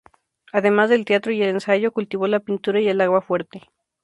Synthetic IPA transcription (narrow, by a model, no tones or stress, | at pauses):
aðe̞mazðe̞lt̪eat̪ɾoie̞lensaʝokult̪iβolapint̪uɾaie̞laɣwafwe̞ɾt̪e